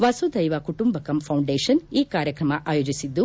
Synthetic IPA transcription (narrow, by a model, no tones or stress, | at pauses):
ʋɐsud̪ɐjʋɐkuʈumbɐkɐmpʰɐwɳɖeːʃɐniːkaːɾjɐkɾɐmɐʔaːjoːd͡ʒisid̪ːu